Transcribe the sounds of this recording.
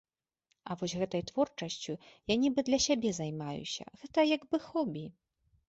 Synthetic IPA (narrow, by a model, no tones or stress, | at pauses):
ɐvɔzʲɣɛt̪ɐjt̪vɔrt͡ʂɐsʲt͡sʲujanʲibɨd̪lʲɐsʲabʲɛzajmajṵsʲɐ̰ɣɛt̪ɐjaɡbɨxɔbʲi